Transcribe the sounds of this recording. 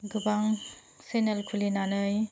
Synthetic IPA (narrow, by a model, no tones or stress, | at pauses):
ɡɯbaŋ | senelkʰulinanɯj